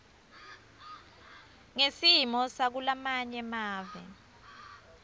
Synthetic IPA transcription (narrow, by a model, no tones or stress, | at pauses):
ŋesimɔsak̬ulamaɲɛmaːvɛ